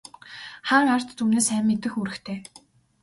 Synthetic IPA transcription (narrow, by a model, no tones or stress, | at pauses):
χaːŋar̥t̪t̪uːneːsæːmːet̪ɘ̆xuɾɘ̆xt̪ʰeː